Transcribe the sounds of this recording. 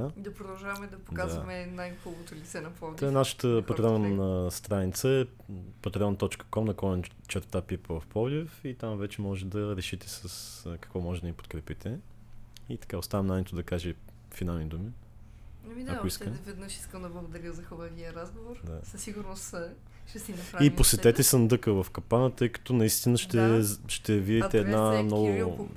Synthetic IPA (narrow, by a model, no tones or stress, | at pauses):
aid̪ɐpɾod̪ɐlˠʒavɐmɛd̪ɐpodkazvɐmɛnajxɔlˠkot̪olit̪sɛnɐpɔd̪naʃə̥t̪əpɐt̪ɾʲɛɔnnəst̪ɾanit̪səɛ | pɐt̪ɾʲɛɔnt̪ɔt͡ʃkə̥kɔmnɐkɔjn | t͡ʃɛɾt̪apipəvfpɔd̪ifit̪amvɛt͡ʃɛmɔʒɛt̪d̪ɐɾɛʃit̪ɛsəskɐ̥kvɔmɔʒɛd̪d̪ɐnipo̥t̪̚kɾɛpit̪ʰɛ | it̪ɐ̥kaost̪avɛmnajnɛt̪ʊd̪ɐkaʒɛ | finalˠnid̪umi | ɐmid̪aʊiskəvɛd̪nəʃi̥skəmd̪ɐblˠɐɡʊd̪ɐɾʲjəzɐxɔbɐviəɾazɡovoɾd̪asɐsiɡuɾnost̪ | ʃɛst̪ipɾaiposɛɛt̪ɛsənd̪ɤkəvɐfkɐpanət̪ɤjkɐ̥t̪ɔnɐist̪inəʃt̪ɛʃt̪ɛviɛt̪ɛːd̪namnɔɡʊ